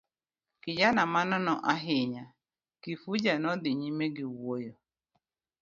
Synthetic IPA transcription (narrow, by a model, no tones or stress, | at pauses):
kɪd͡ʒanamanɔnɔʔaɦɪɲa | kifud͡ʒanɔdɪɲimeɡɪwojɔ